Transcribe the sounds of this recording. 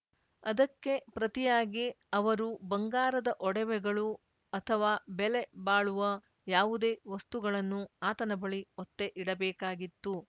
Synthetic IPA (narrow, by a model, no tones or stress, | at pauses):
ɐd̪ɐkːe̞pɾɐt̪ijaːɡi | ɐʋɐɾubɐŋɡaːɾɐd̪ɐʔɔɽɛʋɛɡɐɭu | ɐt̪ʰɐʋaːbɛlebaːɭuʋɐ | jaːʋud̪e̞ːʋɐst̪uɡɐɭɐnːuaːt̪ɐnɐbɐɭiɔt̪ːe̞ʔiɽɐbɛːkaːɡit̪ːu